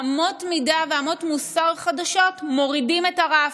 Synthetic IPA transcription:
mo̞tmidaveamo̞tmusaʁχadaʃo̞tmo̞ʁidimetaʁa

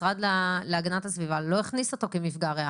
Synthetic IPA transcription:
ʁad̪laleaɡanatasvivalo̞eχniso̞t̪o̞kemifɡaʁea

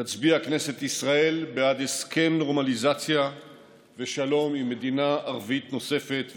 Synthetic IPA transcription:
tat͡sbiakne̞set̪isʁae̞lbead̪eskʰe̞mno̞ʁmalizat͡sja | ve̞ʃalo̞mimːe̞d̪inaʔːʁvit̪no̞se̞fet̪

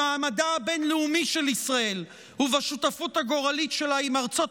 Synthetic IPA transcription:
aːmadaːbe̞nleumiʃe̞lisʁae̞l | huvaʃutafuthaɡo̞ʁalitʃe̞laimaʁt͡so̞t

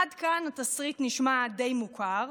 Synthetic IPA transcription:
adkanatasʁit̪niʃmade̞jmukʰaʁ

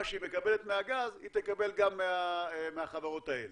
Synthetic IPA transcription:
aʃeimekabelet̪meaɡazit̪ekabelɡamːeameaχavaʁo̞t̪aele

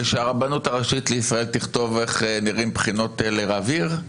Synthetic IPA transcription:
eʃeaʁabanutaʁaʃit̪leisʁae̞lt̪iχt̪o̞ve̞χniʁimpχino̞tleʁaviʁ

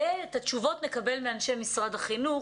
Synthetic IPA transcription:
eetaʃuvo̞tnekabe̞lmeanʃejmisʁadhaχinu

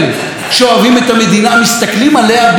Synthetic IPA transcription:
nu | ʃoavimet̪ame̞d̪inamist̪aklimalehab

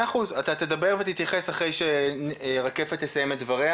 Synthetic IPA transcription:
aχuzat̪at̪ed̪abe̞ʁvet̪it̪jaχe̞saχʁejʃenʁake̞fetlesajemet̚dvaʁe

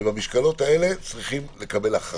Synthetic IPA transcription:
bamiʃkalo̞t̪ae̞le̞t͡sʁiχimle̞kabe̞laχ

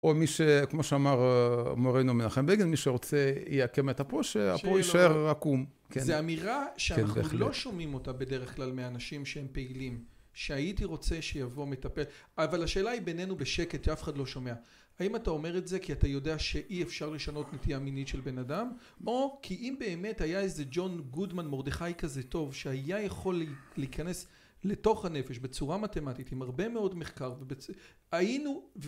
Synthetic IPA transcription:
omiʃekmo̞ʃeamaʁmoʁenomenaχembeɡelmiʃeʁot͡sejeakemetapoʃea̰oiʃaeʁakum | kenzeamiʁaʃeananulo̞ʃomimo̞tabe̞de̞ʁeχklalmeanaʃimʃehempe̞ilimʃe̞ajitiʁo̞t͡se̞ʃe̞javo̞me̞tape̞lavalhaʃe̞ːlaibe̞nenubeʃe̞ket̪iafe̥χadlo̞ʃome̞a | aimatao̞me̞ʁetzekiatajo̞de̞aʃe̞ʔiefʃaʁle̞ʃano̞tnetijaminitʃe̞lbe̞nadam | o̞kʰiʔimbe̞ːme̞thajaeze̞d͡ʒo̞nɡudmanmo̞ʁdeχajkazeto̞vʃehajajaχo̞lleikane̞s | le̞to̞χhane̞fe̞ʃbe̞t͡suʁamate̞matitimaʁbe̞me̞o̞dmeχkaʁvebet͡s | ainuv

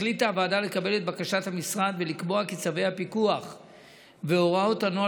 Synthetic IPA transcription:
litaːvaːdale̞kabe̞let̪̚bakaʃathamisʁad̪ve̞likbo̞akit͡save̞jhapikuaχ | veo̞ʁaotanoa

